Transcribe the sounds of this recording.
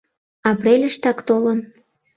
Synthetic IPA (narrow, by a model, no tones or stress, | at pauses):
ɑpɾelʲəʃt̪ɑkt̪olən